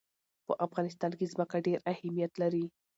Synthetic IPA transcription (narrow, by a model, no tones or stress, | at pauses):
pəʔafɣɑnɪst̪ɑnkezməkaɖeɾahamijat̪laɾi